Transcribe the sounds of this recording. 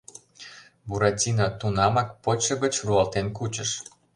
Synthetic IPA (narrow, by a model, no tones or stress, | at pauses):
buɾɑt͡sʲinɑt̪unɑmɑk̚pot͡ɕːɤ̆ɣə̆t͡ɕruɑlt̪enkut͡ɕə̆ʃ